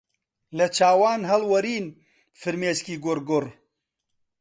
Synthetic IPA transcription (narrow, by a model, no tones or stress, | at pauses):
lɐt͡ʃʰaːwaːnɦɐlwɐɾiːn | fɨɾmeːskiːɡʊɾɡʊr